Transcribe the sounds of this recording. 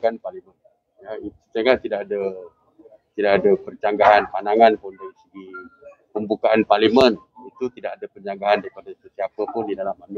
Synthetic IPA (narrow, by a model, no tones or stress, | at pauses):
kanparlimən | jait̪usaŋaʔt̪idaʔadə | t̪idaʔadəpərt͡ʃaŋɡaɦanpanaŋanpʊndaɾisəɡi | pəmbukaʔanparlimə̃n | it̪ut̪idaʔadəpəɲd͡ʒaŋɡaɦandaɾipadasəsiapəpʊndidalamami